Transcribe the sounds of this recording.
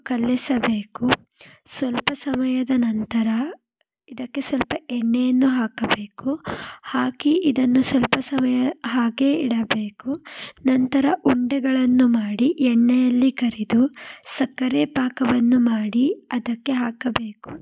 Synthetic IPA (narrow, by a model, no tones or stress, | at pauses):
kɐlːisɐbe̞ːku | sʋɐlpɐsɐmɐjɐd̪ɐnɐnt̪ɐɾɐ | id̪ɐkːe̞sʋɐlpɐɛɳːɛjɐnːuɦaːkɐbe̞ːkuhaːkiʔid̪ɐnːusʋɐlpɐsɐmɐjɐɦaːɡe̞ːiɽɐbe̞ːkunɐnt̪ɐɾɐʔuɳɖɛɡɐɭɐnːumaːɽiʔɛɳːɛjɐlːikɐɾid̪usɐkːɐɾeːpaːkɐʋɐnːumaːɽiɐd̪ɐkːe̞ɦaːkɐbe̞ːku̥